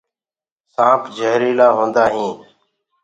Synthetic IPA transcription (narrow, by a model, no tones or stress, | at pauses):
sãːpʰd͡ʒʱəɦɾiːlaːɦõːnd̪aːɦĩː